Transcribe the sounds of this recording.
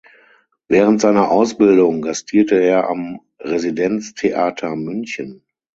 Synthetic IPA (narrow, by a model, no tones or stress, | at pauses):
vɛːʁ̞əntz̥aɪnɐʔaʊsb̥ɪldʊŋɡastʰiːɐtəeːɐʔa̰m | ʁezidɛnt͡stʰeʔaːtʰɐmʏnçən